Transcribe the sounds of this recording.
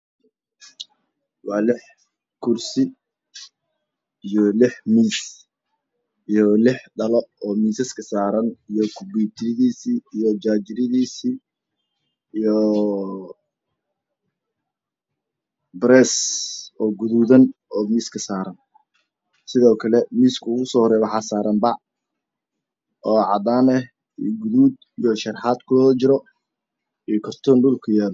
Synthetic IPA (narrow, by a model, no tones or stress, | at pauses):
wɑːlɪħ | kʰʊrsɪ | ijɔlɪħmiːs | ijɔlɪħɖɐlɔɔːmiːsɐskʰɐsaːɾɐnijɔkʰʊbiːb̚t̪ʰɪɾɪðiːsiːijɔd͡ʒaːd͡ʒɪɾɪðiːsiː | ijɔ | bɾɛːsɔːɡʊðuːðɐnɔːmiːskʰɐsaːɾɐn | sɪðɔːkʰɐlɛmiːskʰʊɣʊsɔːhɔɾɛjwɑħɑːsaːɾɐmbɑʕ | ɔːʕɑd̪aːnɛh | iɡʊðuːd̪ | ijɔʃɐrħaːd̪kʰʊlɔːt͡ʃɪɾɔ | ijɔkʰɔrt̪ʰɔnɖʊlkʰʊjaːð